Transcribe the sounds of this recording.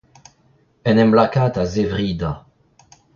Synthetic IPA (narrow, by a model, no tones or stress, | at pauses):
ɛnɛmlakat̪azevʁid̪a